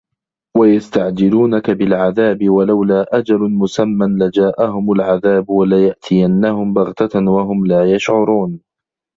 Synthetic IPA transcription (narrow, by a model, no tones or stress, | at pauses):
wajast̪aʕd͡ʒɪluːnakabɪlʕaðaːbɪwalawlaːʔad͡ʒalʊmʊsamːanlad͡ʒaːʔahʊmʊlʕaðaːbwalajaʔt̪ʰɪjanːahʊmbaɣt̪awaɦʊmlaːjaʃʕʊɾuːn